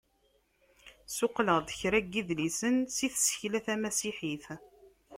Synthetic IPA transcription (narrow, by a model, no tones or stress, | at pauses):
sʊqləd̪ˤçɾæɡːiðlisənsiθsə̥çlæθæmæsiħiθ